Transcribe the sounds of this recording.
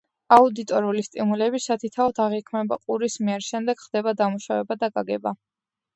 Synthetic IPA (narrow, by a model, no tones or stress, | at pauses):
aud̪it̪ʼɔɾulist̪ʼimulɛbisat̪ʰit̪ʰaɔt̪ʰaʁikʰmɛba̰qʼuɾismiɛɾʃɛmd̪ɛɡ̥χd̪̥ɛbad̪amuʃavɛbad̪aɡaɡɛba